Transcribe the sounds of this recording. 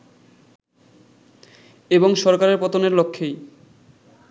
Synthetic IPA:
eboŋʃɔɾkaɾeɾpɔt̪oneɾlokʰːej

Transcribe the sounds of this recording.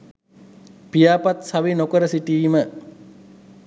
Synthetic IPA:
pijaːpat̪saʋinokəɾəsiʈiːmə

